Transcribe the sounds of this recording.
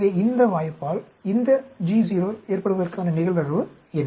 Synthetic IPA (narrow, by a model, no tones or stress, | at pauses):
ðeːɪnd̪ɐʋaːjɐpːaːl | ɪnd̪ɐd͡ʒiːs̬iːɾoːeːrpɐɽɯʋɐðɐrkaːnɐnɪɣɐɭt̪ɐɣɐʋɯ | ɛnː